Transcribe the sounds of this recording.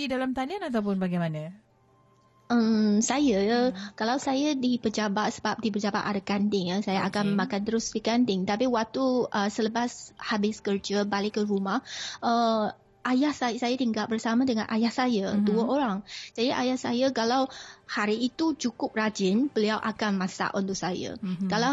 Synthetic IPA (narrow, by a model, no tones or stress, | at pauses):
didalamt̪alianat̪awp̬ʊnbaɡajmana | ʔəmsajəkalawsajadipəd͡ʒabat̪səbap̚dibəd͡ʒaba̰ʔ̪adakandɪŋasajaʔakanmãkant̪əɾʊsdikandɪŋt̪apiwak̚t̪uəsələbashabɪskərd͡ʒabalɪkːəɾumahʔə | ʔajahsajsajat̪iŋɡaʔ̚bərsamãdəŋanʔajahsajəduəoɾaŋd͡ʒadiʔajahsajəkalawhaɾiːt̪ut͡ʃukʊp̚rad͡ʒɪnb̥əliawʔa̰kanmãsa̰ʔunt̪ʊʔsaja̰kala